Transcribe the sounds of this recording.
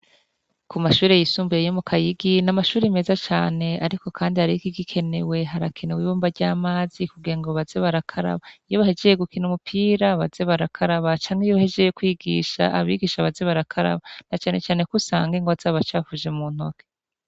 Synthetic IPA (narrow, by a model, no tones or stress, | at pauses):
kumaʃuːɾejisuːmbujejomukʰajiɡinamaʃuːɾimezat͡ʃaːne̞aɾiko̞kʰaːndihaɾikiɡikʰe̞ne̞we̞ɦaɾakʰe̞newiβoːmbaɾɟaːmaːzikuɡiɾaŋɡoβazeβaɾakʰaɾa̰βaijoβahe̞d͡ʒejeɡukʰinumupʰiːɾaβaz̥e̞βaɾakʰaɾaβat͡ʃaːŋhejoβahe̞d͡ʒejekwiːɡḭːʃa̰aβḭɡiːʃaβazeβaɾakʰaɾa̰βanat͡ʃaːne̞t͡ʃaːne̞kusa̰ːŋɡiŋɡoazaβat͡ʃaːfuʒe̞muːn̥hoke̥